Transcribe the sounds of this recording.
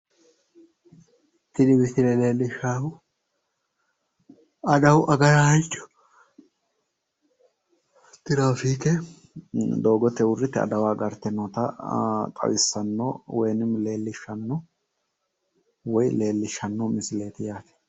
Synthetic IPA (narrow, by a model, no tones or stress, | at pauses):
t̪ːɪd̪ɪbɪt̪ɪɾɛle̞ːlːɪʃaːhʊ | ɐd̪ɐwʔɐɡɐjahɐjt͡ʃʼːɔ̥ | t̪ɪɾaːfiːk̪ɛ | d̪o̞ːɡɔt̪ːɛʊrːɪt̪ːɛɐ̰d̪ɐwaːɡɐɾt̪ːɛnːɔt̪ɐ̰t̪ʼɐ̰wɪsːɐnːoːwɔjnɪmle̞ːlːɪʃːɐnːɔ | wɔjle̞ːlːɪʃːɐnːɔmɪsɪle̞ːt̪ɪjaːt̪ɛ̥